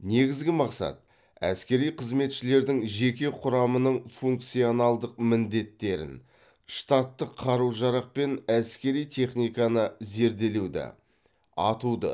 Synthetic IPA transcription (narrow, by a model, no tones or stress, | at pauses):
ne̞ɡʲɪzɡʲɪmɑqsɑ̰t̪̚ | æ̰skʲe̞ɾijqʰəzme̞t̪ʃɪle̞ɾd̪ɪŋʒe̞kʲe̞qʰʊɾɑmənəɴfuŋk̚t̪sijo̞nɑlˠd̪əq̚mɪnd̪e̞t̪ːe̞ɾɪ̰n | ʂt̪ɑt̪ːəqʰːɑɾuwʒɑɾɑq̚pe̞næskʲe̞ɾijt̪ʰe̞χnijkɑnəze̞ɾd̪e̞lewd̪ɪ̰ | ɑ̰t̪ud̪ə̰